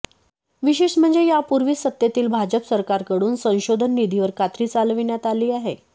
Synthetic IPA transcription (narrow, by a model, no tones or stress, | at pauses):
ʋiɕeʂm̤əɳd͡zejapuɾʋiːsət̪ːjet̪iːlbʱad͡ʑəpsəɾkaɾkəɽuːnsə̃w̃ɕod̪ʱənːid̪ʱiʋəɾkat̪ɾiːt͡salʋinjat̪aliːaɦe